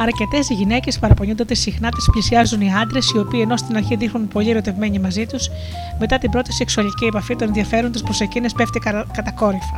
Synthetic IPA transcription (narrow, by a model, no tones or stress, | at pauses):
ɐɾce̞t̪e̞siʝine̞ce̞spɐɾɐpo̞ɲond̪od̪esixnɐt̪i̥splisiɐzuniɐnd̪ɾe̞sio̞piːe̞no̞st̪inɐɾçiðixnunpo̞ʎieɾo̞t̪e̞vme̞ɲimɐzit̪us | me̞t̪ɐt̪imbɾo̞t̪i̥se̞ksuɐlicie̞pɐfit̪onenðiɐfe̞ɾont̪ispɾosecinespe̞ft̪ikɐt̪ɐko̞ɾifɐ